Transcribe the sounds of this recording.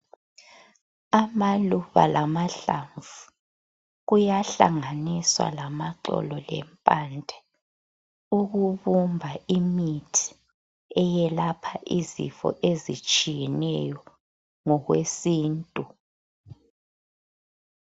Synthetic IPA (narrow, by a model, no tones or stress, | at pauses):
amaluβa̰lʔamaɬaɱvu | ɣujaɬa̰ŋaniswa̰lamaǁɔ̰lɔlɛ̰mpʼandʱɛ | uɣuβumbʱaimitʰi̥ | ɛjɛlapʰaʔizḭfɔ̰ʔezit͡ʃʼijɛnɛjɔ | ŋɔɣwesiːntʼu